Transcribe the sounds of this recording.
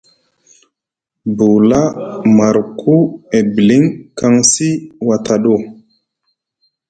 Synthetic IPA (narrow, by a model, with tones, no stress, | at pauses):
bu˨la˦ma˨ɾkʰu˦e˨bi˨li˦ŋka˦ŋsi˦wa˨ta˨ɗo˦˨